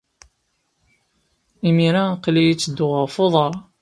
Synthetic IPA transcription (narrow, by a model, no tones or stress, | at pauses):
imiɾaqlijit͡sːəd̪ːʊʁəɾfoðˤɑɾˤ